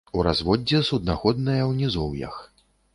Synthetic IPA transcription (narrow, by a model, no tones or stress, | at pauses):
uɾazvɔd͡zʲːɛsud̪̚naxɔd̪nɐjɐwnʲizɔwjɐ̰x